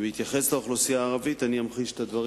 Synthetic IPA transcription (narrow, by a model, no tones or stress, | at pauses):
veit̪jaχe̞sleoχlosijaːʁavit̪aniamχiʃe̥t̪ad̪vaʁ